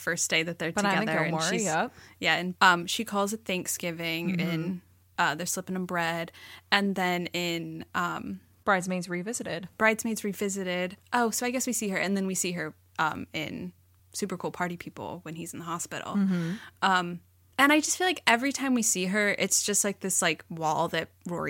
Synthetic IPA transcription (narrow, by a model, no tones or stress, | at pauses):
fɜ˞sd̥eɪðɨt̪̚ðə˞tʰɨɡɛ̃ðə˞ɨ̃ʃizjɛjæɨ̃nʌ̃mʃikʰɔlˠzɨt̪̚θæ̃ŋksɡ̥ɪvɪ̃ŋɪ̃n | ʔʌðə˞slɪpɪ̃ŋə̃nbɹɛdɨ̃nðɨ̃nɪ̃nʔʌ̃m | b̥ɹaɪdzmeɪzɹivɪzɨɾɪd̥b̥ɹaɪdzmeɪdzɹivɪzɨɾɪdʔoʊsoʊaɪɡɛswisiə˞ʔɨ̃nðɨ̃nwisiə˞ | ʔʌ̰̃mɪ̰̃n | sʉpə˞kʰulˠpʰɑɹɾipʰipl̩ˠwɨ̃nizn̩ðəɦɑspɪ̰ɾl̩ˠʔʌ̃m | ɨ̃ɾ̃aɪd͡ʒʌstfilaɪkɛvɹitʰãɪ̃mwisiə˞ʔɪtsd̥ʒ̥ʌst̚ˡlaɪk̚ðɪslaɪkwɔlˠðɨt̚ɹɔ̰ɹḭ